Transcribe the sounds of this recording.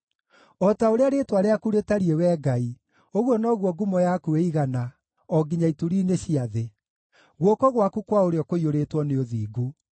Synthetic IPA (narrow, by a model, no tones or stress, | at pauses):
ɔtaoɾeaɾetwaɾeakuɾetaɾiewɛɡai | oɣwɔnɔɣwɔɡumɔjakueiɣana | ɔɡiɲaituɾiːneɕiaðe | ɣwɔkɔɣwakukwaoɾeɔkoioɾetwɔneoðiːɡu